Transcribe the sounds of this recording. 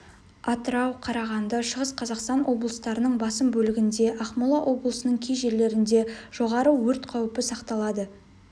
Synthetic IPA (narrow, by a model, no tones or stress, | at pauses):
ɑt̪əɾɑwqʰɑɾɑʁɑnd̪əʃəʁəsqʰɑzɑqst̪ɑnwʔo̞blˠəst̪ɑɾənəɴbɑsəmbɵlɪɡʲɪnd̪e̞ʔɑχmolˠɑʔo̞blˠəsənəɴkʲʰejʒe̞le̞ɾɪnd̪e̞ʒ̥o̞ʁɑɾəwɵɾt̪qʰɑwɪpɪsɑqt̪ɑlˠɑd̪ə